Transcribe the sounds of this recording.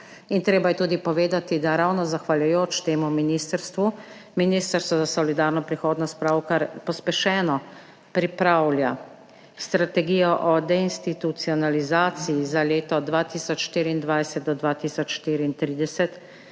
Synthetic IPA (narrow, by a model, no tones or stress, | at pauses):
int̪ɾeːbajɛt̪uːd̪ipɔʋeːd̪at̪id̪aɾawnɔzaxʋaljʊjoːt͡ʃt̪eːmuminist̪əɾst̪ʋu | miniːst̪əɾst̪ʋɔzasɔlid̪aːɾnɔpɾixoːd̪nɔspɾaːwkaɾpɔspɛʃɛːnɔ | pɾipɾawlja | st̪ɾat̪ɛɡiːjɔʔɔd̪ɛinst̪it̪ut̪siɔnalizaːt̪siizaleːt̪ɔd̪ʋat̪iːsɔt͡ʃʃt̪iːɾiːnd̪ʋajsɛt̪̚d̪ɔd̪ʋaːt̪iːsɔt͡ʃʃt̪iːɾiːnt̪ɾiːd̪ɛsɛt̪